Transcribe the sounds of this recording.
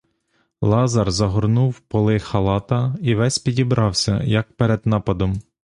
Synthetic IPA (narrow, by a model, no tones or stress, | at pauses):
lˠɑzɐrzɐɦɔrnuwpɔlˠɪxɐlˠɑt̪ɐiʋɛsʲpʲidʲibɾɑwsʲɐ̰jɐk̚pɛɾed̪nɑpɐd̪ɔm